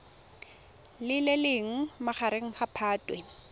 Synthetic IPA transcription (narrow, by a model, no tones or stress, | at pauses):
lɪlelɪŋ̩maχaɾeŋ̩χapʰaːtʼwe